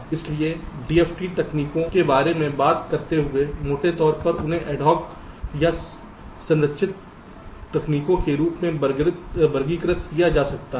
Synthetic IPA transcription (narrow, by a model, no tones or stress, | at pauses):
ɪslieɖiːeːfʰʈiʈ̪ɐkniːkõkebaːɾemẽbaːt̪kɐɾt̪eɦʊemoːʈet̪ɔːɾpɐɾʊnɦẽʔɛːɖɔːk | ja | sɐ̃nət̪ʃɪt̪ː | ɐkniːkõkeɾuːpmẽbɐɾɡɾt̪bɐɾɡiːkɾɪt̪kijad͡ʒaːsɐk̚t̪aɦ